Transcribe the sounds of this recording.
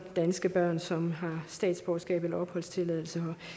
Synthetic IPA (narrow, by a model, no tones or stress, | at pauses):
d̥ænsɡ̥əb̥ɶɐ̰nsɒ̽mɦɑ̈sd̥ɛ̰ːd̥sb̥ɒːsɡ̥ɛ̰ːb̥elɐɒ̽b̥hɒ̽l̰st͡sʰe̝lɛð̰ˠl̩səɒ